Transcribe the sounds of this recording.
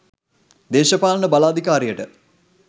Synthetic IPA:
d̪eːʃɐpaːlnəbalaːd̪ʱikaːɾijəʈə

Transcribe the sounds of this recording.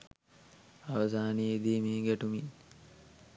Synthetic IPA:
aʋəsaːneed̪iːmiːɡɛʈumi

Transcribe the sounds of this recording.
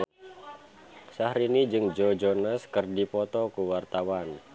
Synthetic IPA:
sahɾinid͡ʒɨŋd͡ʒɔd͡ʒonaskɨrdipɔt̪ɔkuwart̪awan

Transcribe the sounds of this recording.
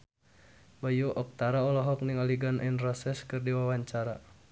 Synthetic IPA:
bajuʔɔk̚t̪aɾaɔlɔɦɔk̚niŋaliɡanʔɛnrɔsɛskɨrdiwawaɲt͡ʃaɾa

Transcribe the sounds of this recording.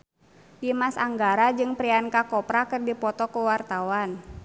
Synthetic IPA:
dimasaŋɡaɾad͡ʒɨŋpɾiankakɔpɾakɨrdipɔt̪ɔkuwart̪awan

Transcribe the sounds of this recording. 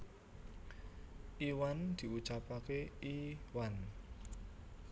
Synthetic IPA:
ʔiwand̪̥i̤ut͡ʃapakeiwan

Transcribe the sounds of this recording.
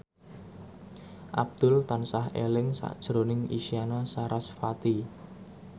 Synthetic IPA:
ʔab̚d̪̥ʊlt̪ansaɦelɪŋsa̰ʔd̥ʒ̥ɾonɪŋḭsianasaɾʔasfat̪i

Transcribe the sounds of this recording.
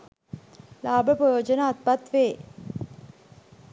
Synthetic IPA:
laːbəprəjoːd͡ʒənaːt̪̚pat̪ʋeː

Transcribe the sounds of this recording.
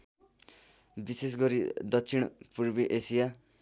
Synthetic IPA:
bises̬ɡʌɾid̪ʌksʰiɽ̃purbiʔesija

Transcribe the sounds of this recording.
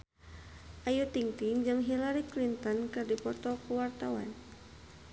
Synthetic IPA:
ʔajut̪iŋt̪iŋd͡ʒɨŋɦilaɾiklint̪ɔnkɨrdipɔt̪ɔkuwart̪awa̰n

